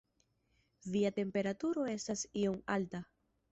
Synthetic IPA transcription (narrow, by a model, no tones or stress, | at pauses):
viate̞mpe̞ɾatuɾo̞e̞stasio̞malta